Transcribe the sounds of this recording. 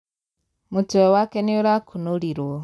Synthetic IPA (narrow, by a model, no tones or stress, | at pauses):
mutuewakenioɾakʰunuliɾo